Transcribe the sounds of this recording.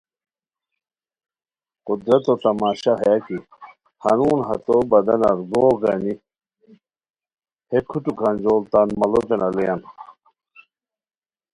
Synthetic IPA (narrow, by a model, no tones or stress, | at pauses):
qud̪ɾɐt̪ot̪ɐmaːɕaɦɐjaki | hɐnuːnɦɐt̪obɐd̪ɐnɐɾɡoːɡɐni | hekʰuʈukʰɐnd͡ʑoːlt̪anmɐlot̪enɐlejɐn